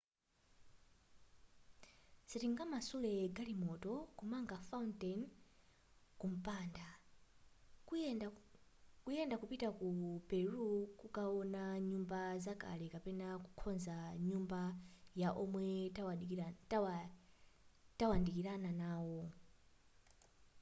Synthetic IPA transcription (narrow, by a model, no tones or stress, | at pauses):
sitiŋɡamasulɛɡalimɔtɔkumaŋɡafauntɛn | kum̩panda | kujɛndakupitakupɛɾukukawɔnaɲumbazaka̰lɛkapɛnaku̥kʰɔnzaɲumbajaʔɔmwɛ | tawandikiɾananaːwɔ